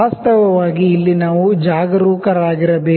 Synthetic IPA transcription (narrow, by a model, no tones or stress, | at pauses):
aːst̪ɐʋɐʋaːɡiːlːinaːʋud͡ʒaːɡɐɾuːkɐɾaːɡiɾɐbeː